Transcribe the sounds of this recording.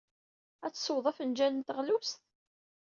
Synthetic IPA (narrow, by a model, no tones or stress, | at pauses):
æt͡sːsˤowðˤɑfənd͡ʒænənt̪əʁlusθ